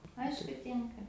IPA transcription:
ˈɐɪʃkʊ ˈtʲɪŋkɐ

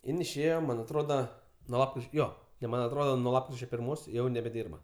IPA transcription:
ˈɪn ɪʃʲˈeːjoː ˈmɐnʲ ɐtˈroːdɐ ˈnuɔ ˈjoː jɛʊ ˈmɐnʲ ɐtˈroːdɐ nuɔ ˈlˠɑːpkrʲɪt͡ʃʲoː pʲɪrˈmoːs ˈjɛʊ nʲɛbʲɛˈdʲiːrbɐ

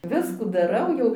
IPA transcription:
ˈʋʲɪskuː dɐˈrɐʊ jɛʊ

